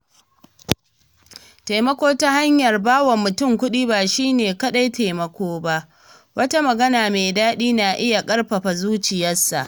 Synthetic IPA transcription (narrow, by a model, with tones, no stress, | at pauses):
ta˨mɐ˦kʷoː˦ta˦ha˦ɲjɐ˨rbaː˦wɐ˨mːʊ˨tʊ˦˨ŋkʷʊ˦ɗiː˦baː˨ʃiː˦neː˨kɐ˦ɗa˦jteː˨mɐ˨kʷoː˦ba˦ʔ | wɐ˦ta˦mɐ˨ɡɐ˦naː˨meː˨daː˦ɗiː˦na˨ʔɪ˦ja˨kʼɐ˦rɸɐ˨ɸa˨zuː˦t͡ʃɪ˨jɐ˦sːa̰˨ʔ